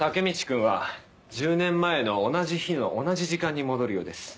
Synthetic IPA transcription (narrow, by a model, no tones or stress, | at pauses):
t̪ake̞mʲit͡ɕi̥kɯ̟̃ɰ̃βa | d͡ʑɨːnẽ̞mːae̞no̞ːnaʑiçinoʔonaʑiʑikãɲ̟ːimo̞d̪o̞ɾɯ̟jo̞ːd̪e̞sɨ̥